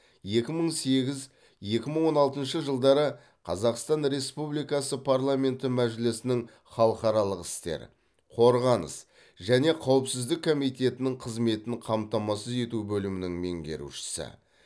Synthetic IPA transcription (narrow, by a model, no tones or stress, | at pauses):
je̞kʲɪməɴse̞ɡʲɪz | je̞kʲɪməɴwo̞nɑlˠt̪ənʃəʒəlˠd̪ɑɾə | qʰɑzɑqst̪ɑnɾe̞spublijkɑsəpʰaɾlˠamʲe̞nt̪ɪmæʒɪlɪsɪnɪŋ | χɑlˠəqɑɾɑlˠəqɪst̪e̞̰ɾ | qʰo̞ɾʁɑnə̰s | ʒæne̞qʰɑwəpsɪzd̪ɪkʰːo̞mijt̪e̞t̪ɪnɪŋqʰəzme̞t̪ɪnqʰɑmt̪ɑmɑsəze̞t̪ubɵlɪmɪnɪŋme̞̰ŋɡʲe̞̰ɾṵʃɪ̥sɪ̰